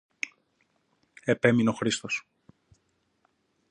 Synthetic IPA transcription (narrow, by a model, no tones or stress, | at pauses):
e̞pe̞mino̞xɾist̪o̞s